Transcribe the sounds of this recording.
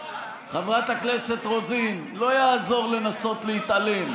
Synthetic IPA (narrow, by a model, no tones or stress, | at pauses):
χavʁat̪haknese̞t̪ʁo̞zin | lo̞jaːzo̞ʁle̞naso̞t̪lehit̪ʔalem